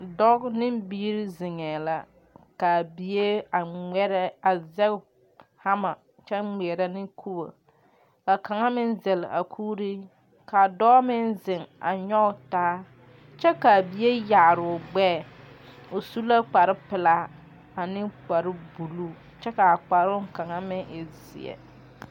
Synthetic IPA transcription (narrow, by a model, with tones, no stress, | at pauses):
dɔ˦knɪ˦mbiː˦ɾɪ˦zɪ˨ŋɛ˨la˨ | ka˨bi˨e˦a˨ŋ͡mɛ˦ɾɛ˦a˨zɛ˦k | ha˦ma˨ | t͡ʃɛ˦ŋ͡mɛ˨ɾa˦nɪ˦kʰu˦ba̰˨ | ka˨ka˨ŋa˦mɪ˦nzɛ˨lɪ˨a̰˨kʰuː˦ɾi˦ | ka˨dɔː˦mɪ˦n˦zɪ˨ŋa̰˨ɲɔ˦˨taː˦ | t͡ʃɛ˦ka˨bi˨je˦ja˨ɾʊ˨ɡ͡bɛː˦˨ | o˨su˦la˦k͡pa˨ɾɪ˦pɪ˨la˦ | a˨nɪ˦k͡pa˨ɾɪ˦bu˨lu˦ | t͡ʃɛ˦ka˨a˨k͡pa˨ɾʊ˦ŋ˦ka˨ŋa˦mɪ˦ʔɪ˨zɪ̰˨ɛ̰˨